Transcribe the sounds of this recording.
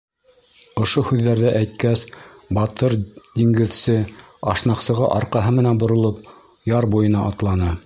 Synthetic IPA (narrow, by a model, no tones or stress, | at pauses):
ŏʃohʉðːæɾðæʔæjt̪kæsbɑt̪ɤɾd̪̥iŋɡɘ̆ðsɘ | ɑʃnɑqsɤ̆ʁɑ̰ʔɑɾqɑɦɤmɘ̆nænbŏɾŏlˠop | jɑɾbujɤ̆nɑʔɑt̪lˠɑnɤ